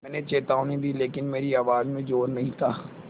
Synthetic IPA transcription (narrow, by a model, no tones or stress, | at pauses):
mɛ̃ːnet͡ʃeːt̪aːũnɐɦĩd̪iːleːkɪnmeːɾiaːʋaːzmẽd͡ʒoːɾnɐɦĩt̪ʰaː